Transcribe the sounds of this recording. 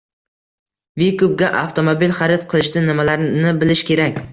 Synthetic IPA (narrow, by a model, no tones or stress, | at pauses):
vikup̚ɡʲaʔaft̪ʰomobilχaɾɪt̪qʰɨlˠɪʃt̪ɪnɪmalaɾnɪbɪlɪʃkʲʰe̞ɾakʲ